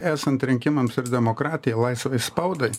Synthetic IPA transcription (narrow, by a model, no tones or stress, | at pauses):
æːsɐnt̪ɾʲɪŋʲkʲɪmɐmsɪɾd̪ʲɛmokɾɑːt̪ʲɪjɛɪlˠɐɪsʋɐɪspɐʊd̪ɐɪ